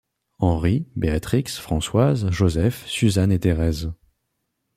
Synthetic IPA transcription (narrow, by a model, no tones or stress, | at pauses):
ɑ̃ʁibeat̪χiksfχɑ̃swazʒozɛfsyzanet̪eʁɛz